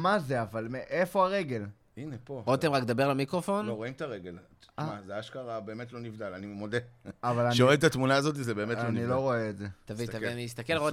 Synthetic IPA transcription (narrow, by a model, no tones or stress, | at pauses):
mazeavalmeʔefo̞aʁeɡe̞l | inepo̞ot̪emʁakd̪abeʁlemikʁofo̞noʁoimt̪aʁeɡe̞l | mazeaːʃkaʁabe̞ːmet̪lo̞nivd̪alanimemod̪eavalʃeʁet̪at̪munaːzo̞t̪̬izebe̞ːmeloniloʁoeːdzet̪avit̪avianiist̪akelʁo